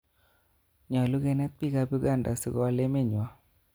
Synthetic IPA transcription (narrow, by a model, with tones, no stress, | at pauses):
ɲɔ˨lu˦ɡe˦nɛ˦t̪̚pi˦ka˦bu˦ɡa˦˨nda̰˨sḭ˦ɡɔ˦a˦le˦mɪ˦˨ɲwa˦